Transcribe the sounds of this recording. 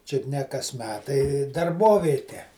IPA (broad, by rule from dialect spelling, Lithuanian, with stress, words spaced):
ˈt͡ʃʲʊt nʲɛ kɐs ˈmʲæːtɐɪ dɐrˈboːʋʲeːtʲɛ